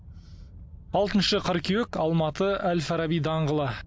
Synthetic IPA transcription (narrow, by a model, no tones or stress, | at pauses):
ɑlˠt̪ənʃəqʰəɾkʲʰewekɑlˠmɑt̪əælfæɾɑbijd̪ɑɴʁəlˠə